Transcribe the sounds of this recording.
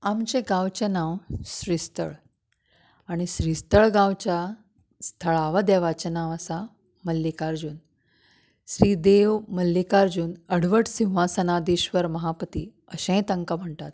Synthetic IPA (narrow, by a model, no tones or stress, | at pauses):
amt͡ɕeɡãwt͡ɕenãwɕɾist̪ə̰ɭ | aɽ̃iɕɾist̪əɭɡãwt͡ɕja | st̪ʰəɭaʋəd̪aʋat͡ɕənãʋəsa | məlːikaɾd͡ʑuːn | ɕɾiːd̪eʋməlːikaɾd͡ʑuːnəɽʋəʈsĩw̃ʋasənad̪iːɕʋəɾməɦapət̪iː | əɕẽjt̪əŋkam̤əɳt̪at̪̚